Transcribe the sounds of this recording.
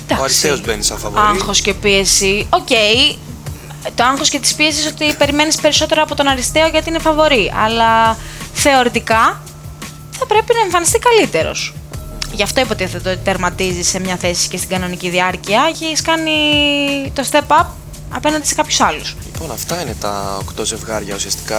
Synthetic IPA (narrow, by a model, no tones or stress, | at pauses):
d̪ɐsiseozbenisɐ̰fɐ̰vɐŋxo̞sce̞piesio̞ce̞j | t̪oɐŋxo̞scet̪i̥spie̞siso̞t̪ipe̞ɾime̞nispe̞ɾiso̞t̪e̞ɾɐpo̞t̪onɐɾist̪e̞oʝɐt̪iinefɐvo̞ɾiɐ̰lɐθe̞o̞ɾit̪ikɐ | θɐpɾe̞pinɐeɱfɐnist̪ikɐlit̪e̞ɾo̞̰sʝɐft̪oipot̪iðet̪ot̪eɾmɐt̪izise̞mɲɐθe̞si̥ce̞st̪iɡɐno̞niciðiɐɾciɐʝiskɐni | t̪o̞st̪e̞pɐp̚ | ɐ̰pe̞nɐnd̪ise̞kɐpçu̥sɐlusliponɐ̰ft̪ɐinet̪ɐ̰o̰kt̪oze̞vɣɐɾʝɐ̰usiɐst̪i̥kɐ